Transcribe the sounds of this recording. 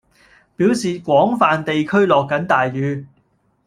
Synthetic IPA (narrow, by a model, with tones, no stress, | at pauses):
piː˨˥wsiː˨kʷɔː˨˥ŋfaː˨nt̪e˨jkʰɵ˥ɥlɔː˨kːɐ˨˥nt̪aː˨jːyː˨˧